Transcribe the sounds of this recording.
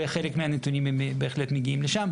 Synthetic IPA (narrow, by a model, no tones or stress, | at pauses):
eχe̞lekmeanet̪unimembe̞ːχle̞t̪meɡiimleʃam